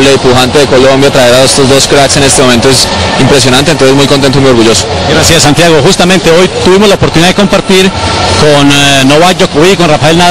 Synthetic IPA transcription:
leipuxant̪e̞ðeko̞lombjat̪ɾaeɾaest̪ozd̪o̞skɾakse̞ne̞st̪emoment̪oesimpɾe̞s̬jo̞nanent̪onsemujkonent̪oimujoɾɣuʝo̞so̥ | ɡɾasjasant̪jaɣoxust̪ament̪e̞o̞jt̪uβimozlaopoɾt̪uniðaðekompaɾt̪iɾkonːoβad͡ʒokowikonrafae̞lna

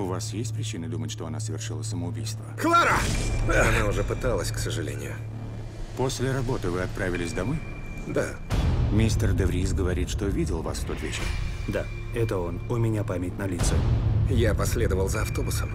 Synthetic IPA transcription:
ʊvasjesʲtʲpɾʲɪt͡ɕinɨd̪umətʲʂt̪o̞ɐnasəvʲɪrʂɨlˠəsəməʊbʲijst̪vəxlˠaɾəɐnaʊʐɛpɨt̪alˠəsʲksəʐɨlʲḛnʲɪ̰jʊ̰ | posʲlʲɪɾɐbo̞t̪ɨvɨɐt̪̚pɾʔavʲɪlʲɪsʲd̪ɐmoj | d̪a | mʲisʲt̪ərd̪əvɾʲisɡəvɐɾʲit̪ʂt̪ovʲidʲɪlˠva̰sft̪ot̪vʲet͡ɕɪ̰rd̪a | ɛt̪əo̞nʊmʲɪnʲapamʲɪtʲnɐlʲit̪səjapɐsʲlʲed̪əvəlˠzəɐft̪o̞bʊsəm

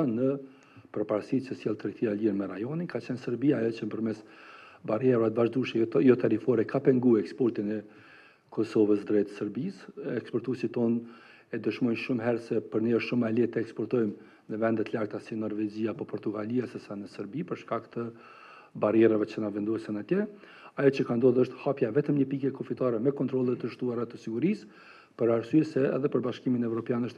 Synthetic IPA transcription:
anə | pəɾpaɾsit͡ʃəsjɛlˠt̪ɾiθialiɾmɛɾajɔninkat͡ɕɛnsəɾbiajɔt͡ʃənpəɾmɛsbarjɛɾat̪əvaʒd̪uʃjɔt̪aɾifɔɾɛkʰapɛŋɡuɛkspɔɾt̪inɛ | kʰɔsɔvəsd̪ɾɛt̪səɾbisɛkspɔɾt̪usit̪ɔn | ɛd̪əʃmɔjnʃumɦɛɾsɛpəɾniɔʃumalɛt̪əɛkspɔɾt̪ɔjm | nəvɛnd̪ɛt̪əlakt̪asinɔɾvɛd͡ʑiaːpɔpɔɾt̪uɡaliasɛsanəsəɾbipəɾʃkakt̪ə | barjɛɾavɛt͡ʃəənavɛnd̪ɔɛsənat̪jɛ | ajɔt͡ɕəkand̪ɔðəʃt̪hapjavɛt̪əmɲəpikɛkɔfit̪aɾɛmɛkɔnt̪ɾɔlˠət̪əʃt̪uaɾat̪əsiɡuɾis | pəɾaɾsyɛsɛɛ̰ðɛpəɾbaʃkiminɛvɾɔpjanəʃt̪

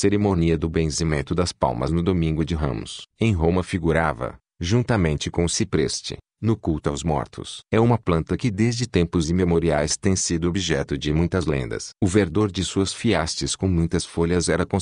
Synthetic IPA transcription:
seɾemõniɐd̪ʊbẽsimẽnt̪ʊd̪ɐspa̰wmɐ̰znʊd̪omĩŋɡʊd͡ʒɪɦɐ̰̃mʊ̰sẽj̃ɦõmɐfiɡuɾavɐ̰ | ʒũnt̪ɐmẽnt͡ʃɪkõʊsipɾḛst͡ʃɪ̰ | nʊkuwt̪ʊawzmɔ̰ɾt̪ʰʊ̰sɛũmɐplɐ̃nt̪ɐkɪd̪ezd͡ʒɪt̪ẽmpʊzimemoɾiajst̪ẽj̃sid̪ʊobiʒɛt̪ʊd͡ʒɪmũj̃t̪ɐzlḛ̃nd̪ɐ̰sʊveɾd̪oɾd͡ʒɪsuɐsfiast͡ʃɪskõmũj̃t̪ɐsfoʎɐzɛɾɐkõ

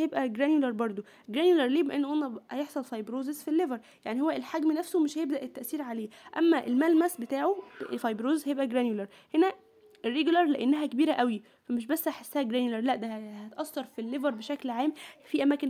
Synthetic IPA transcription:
jebʔæɡɾænjulɑɾˤbɑɾˤd̪ˤo | ɡɾænjulɑɾˤleːbæʔenːoʔænːæhæjeħsˤɑlfɑjbɾoːzezfilːevæɾˤ | jaʕnihowːæelħaɡmnæfsomeʃhæjeb̚d̪æʔet̪ːæʔsiːɾʕaleːʔæ̰mːæʔelmælmæsbet̪aːʕofɑjbɾoːzezhæjebʔæɡɾænjulɑɾˤ | henæ | erːeɡulɑɾˤleʔenːæɦækebiːɾæʔæwi | fæmeʃbæsːaħesːæhæɡɾænjlɑɾˤlæʔd̪æhæt̪ʔɑsːɑɾˤfilːevɑɾˤbeʃæklʕaːmfiʔæmæːken

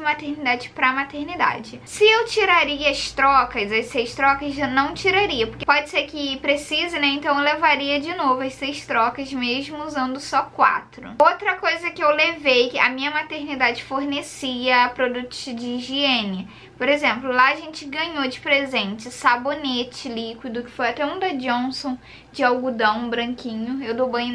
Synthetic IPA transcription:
d͡ʒɪmat̪eɾnid̪ad͡ʒɪpɾɐmat̪eɾnid̪a̰d͡ʒɪsɪewt͡ʃiɾaɾiɐɐst̪ɾɔkɐzɐsejʃt̪ɾɔkɐzanɐ̃w̃t͡ʃiɾaɾiɐpoɾkepɔd͡ʒɪseɾkɪpɾesizɪnɛẽnt̪ɐ̃w̃levaɾiɐd͡ʒɪnovʊɐjssejʃt̪ɾɔkɐzmeʒmʊuzɐ̃nd̪ʊsɔkwa̰t̪ɾʊ̰owt̪ɾɐkojzɐkɪewlevejkɪɐ̰mĩɲɐmat̪eɾnid̪ad͡ʒɪfoɾnesiɐpɾod̪ut̪ʊ̥sd͡ʒɪʒiẽnɪɐ | poɾezẽmplʊlaɐʒẽnt͡ʃɪɡɐ̃ɲod͡ʒɪpɾezẽnt͡ʃɪsabonet͡ʃɪlikwid̪ʊkɪ̥fojɐt̪ɛũd̪ɐd͡ʒõsõ | d͡ʒɪawɡud̪ɐ̃w̃bɾɐ̃ŋkĩɲʊewd̪owbɐ̃j̃

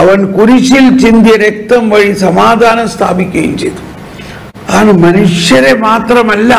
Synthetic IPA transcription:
ɐʋɐnkuɾiʂilt͡ʃind̪jɐɾek̚t̪ɐmʋɐɻisɐmaːd̪ʱaːnɐmst̪ʰa̰ːbikʲːɐjṵmt͡ʃejt̪u̥ | kaːnɨmɐnuʂjɐɾemaːt̪rɐmɐlːɐ

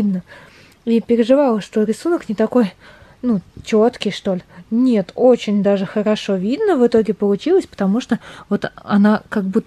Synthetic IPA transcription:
d̪nə | ipʲɪɾʲɪʐɨvalˠəʂt̪oɾʲɪsunəknʲɪt̪ɐko̞jnut͡ɕo̞t̪kʲɪjʂt̪o̞lʲɪnʲet̪ot͡ɕɪnʲd̪aʐɨxəɾɐʂo̞vʲid̪nəvɨt̪o̞ɡʲɪpəlˠʊt͡ɕilˠəsʲpə̥t̪ɐmuʂt̪ovot̪ɐ̰nakɐɡ̚bu

